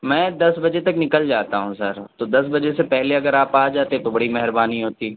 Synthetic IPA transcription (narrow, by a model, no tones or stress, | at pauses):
mɛ̃ːd̪ɐsbɐd͡ʒet̪ɐknɪkəld͡ʒaːt̪aɦũsɐɾt̪od̪ɐs̬bɐd͡ʒesepɛɦleɐɡəɾaːpaːd͡ʒaːt̪eɛ̃t̪obɐɽimɛɦɾbaːniɦoːt̪iː